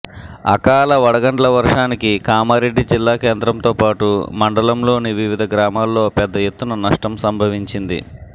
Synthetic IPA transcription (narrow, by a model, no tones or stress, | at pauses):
ɐ̰kaːlɐʋɐɽɐɡɐɳʈlɐʋɐɾʂaːnikikaːmɐɾe̞ɖːid͡ʒilːaːke̞ːnd̪ɾɐmt̪oːpaːʈumɐɳɖɐlɐmlo̞ːniʋiʋid̪ʱɐɡɾaːmaːlːo̞ːpɛd̪ːɐjet̪ːunɐnɐʂʈɐmsɐmbʱɐʋiɲt͡ʃind̪ḭ